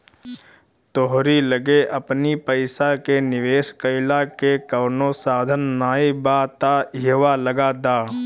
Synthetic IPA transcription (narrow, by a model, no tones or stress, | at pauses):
t̪oːɦɾiləɡeʔɐpnipəɪsakenɪʋeːskəɪlakekɐːnosaːd̪ʱənːaːibaːt̪aiʋaləɡaːd̪aː